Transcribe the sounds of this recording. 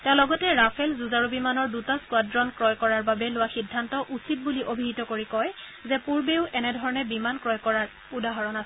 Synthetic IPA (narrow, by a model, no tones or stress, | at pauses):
tɛʊ̃lɔɡɔtɛɹapʰɛlzuzaɹobimanɔɹdutaskwadɹɔnkɹɔjkɔɹaɹbabɛlʊwaxidʱːantɔʔusit̚buliʔobʱiɦitɔkoɹikɔj | zɛpuɹbeʊʔɛnɛdʱɔɹɔnɛbimankɹɔjkɔɹaɹ | udaɦɔɹɔnas